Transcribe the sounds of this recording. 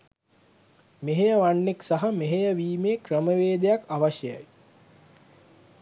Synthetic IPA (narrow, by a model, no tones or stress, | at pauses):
meɦejəʋanːeksaɦameɦejəʋiːmeːkrəməʋeːd̪ejakaʋaɕjəja̰j